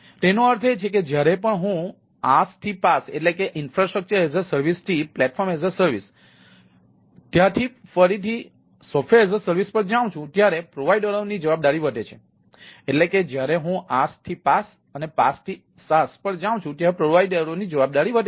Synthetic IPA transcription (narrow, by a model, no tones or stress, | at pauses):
t̪enoəɾt̪ʰet͡ʃʰeked͡ʒjaɾepəɳɦũ | ast̪ʰipaseʈlekeʔɪnfɾasʈɾək̚t͡ʃəɾezəɾsəɾʋist̪ʰiplɛʈfʰɔɾmezəɾsəɾʋis | t̪jãt̪ʰifəɾit̪ʰi | sɔfʰeezəɾsəɾʋispəɽd͡ʒaʋ̃t͡ʃʰũt̪jaɾepɾoʋaiɖəɾonid͡ʒəʋab̚d̪aɾiʋəʈet͡ʃʰe | eʈleked͡ʒjaɾeɦũʔast̪ʰipas | ənepast̪ʰi | saspəɾd͡ʒaw̃t͡ʃʰũt̪jaɾepɾoʋaiɖəɾonid͡ʒəʋab̚d̪aɾiʋəʈe